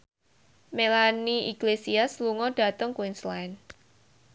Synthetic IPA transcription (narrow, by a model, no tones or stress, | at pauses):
melaniiɡlesiasluŋɔɖ̥a̤t̪ʊŋkwinslaɪn